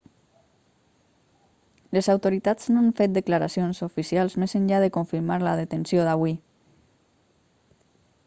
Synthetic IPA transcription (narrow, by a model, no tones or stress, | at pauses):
lezawt̪oɾit̪az̥noaɱfet̪̚d̪eklaɾasionszofisialˠzmezənʲʎaðekoɱfiɾmaɾlaðet̪ensjoðaβwi